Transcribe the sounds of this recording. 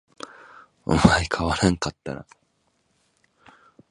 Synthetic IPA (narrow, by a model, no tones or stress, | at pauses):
o̰maikʰaβaɾãŋkat̪ːa̰ɾa̰